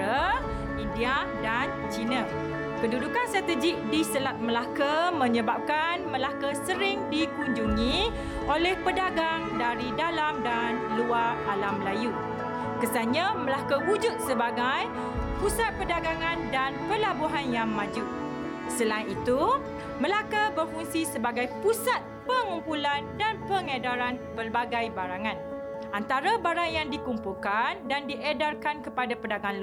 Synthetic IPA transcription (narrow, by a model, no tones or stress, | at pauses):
ə | india | dan | t͡ʃinə̃ | kədudukanst̪ɾat̪əd͡ʒɪk̚disəlat̪̚məlakamə̃ɲəbap̚kanməlakasəɾɪŋdikuɲd͡ʒuŋĩ | ʔolɛhpədaɡaŋdaɾidalamdanluaralamlaju | kəsaɲãməlakəwud͡ʒut̪̚səbaɡaj | pusat̪̚pədaɡaŋãndanpəlabuɦanjaŋmãd͡ʒuʔ | səlainit̪u | məlakabərfuŋsisəbaɡajpusat̪̚pəŋumpulandanpəŋədaɾanpərbaɡajbaɾaŋãn | ʔant̪aɾabaɾaŋjaŋdikumpulkandandiʔedarkankəpadapədaɡanl